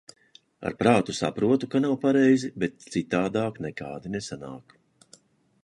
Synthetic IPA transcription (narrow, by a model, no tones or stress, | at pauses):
a̰ɾpɾaːt̪usa̰pɾuɔt̪ukanawpaɾɛjzibet̪̚t̪sit̪aːd̪aːknɛkaːd̪inesana̰ːk